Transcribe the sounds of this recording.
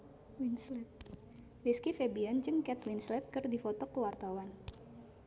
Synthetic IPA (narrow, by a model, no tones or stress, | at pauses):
winslɛt̪̚ | wiskifebiand͡ʒɨŋkɛt̪winslɛt̪̚kɨrdifɔt̪ɔkəwart̪awan